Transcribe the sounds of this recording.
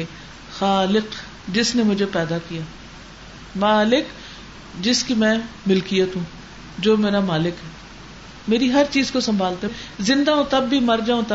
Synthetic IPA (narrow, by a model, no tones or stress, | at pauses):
xaːlɪq | d͡ʒɪsnemʊd͡ʒʱepɛːd̪akijaː | maːlɪk | d͡ʒɪskimɛ̃ːmɪlkijat̪ɦũː | d͡ʒoːmeːɾamaːlɪkɦɛː | meːɾiɦɐɾt͡ʃiːzkosɐ̃mbʱaːlt̪ezɪ̃nd̪aõt̪ɐbːimɐɾd͡ʒaːõt̪ɐ